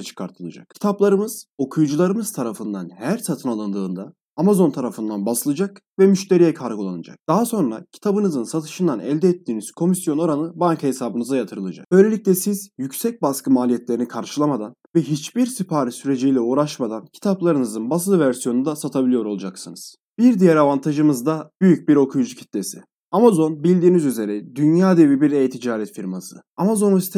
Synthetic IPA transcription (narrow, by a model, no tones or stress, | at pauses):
t͡ʃʰɯ̥kʰaɾt̪ʰɯlˠa̰d͡ʒa̰kcʰi̥t̪ʰaplˠaɾɯmɯz̥o̞kʰujd͡ʒulˠaɾɯmɯz̥t̪ʰaɾafɯnd̪anhæɾsat̪ʰɯnalˠɯnd̪ɯːnd̪aː | mazo̞nt̪ʰaɾafɯnd̪anbasɯlˠɯd͡ʒakvɛmyʃt̪ʰe̞ɾijɛkʰaɾɡulˠanɯd͡ʒa̰k̚d̪̥aɦaso̞nɾacʰi̥t̪ʰabɯnɯzɯnsat̪ʰɯ̥ʃɯnd̪anɛ̰lʲd̪ɛːt̪ʰːiːniz̥kʰo̞misjo̞no̞ɾanɯbaŋkhesaːbɯnɯzajat̪ʰɯɾɯlˠad͡ʒa̰k̚b̥ø̞jlʲe̞lʲic̚lʲɛsizjycsɛc̚baskɯmaːlʲijɛt̪lʲe̞ɾinikʰaɾʃɯlˠamad̪anvɛɦit͡ʃbiɾsipʰaːɾisyɾe̞d͡ʒijlʲɛuːɾaʃmad̪ancʰi̥t̪ʰaplˠaɾɯnɯzɯnbas̬lˠɯvæɾsijo̞nund̪asat̪ʰabilʲijo̞ɾo̞lˠud͡ʒaksɯnɯz̥ | biɾd̪ijɛɾavant̪ʰaʒɯmɯzd̪abyjyc̚biɾo̞kʰujud͡ʒucʰi̥t̪lʲesḭ | amazo̞nbilʲd̪iːnizyze̞ɾɛd̪ynjaːd̪e̞vibiɾejt̪ʰid͡ʒaːɾɛt̪fiɾmasɯ̰amazo̞nsit̪ʰ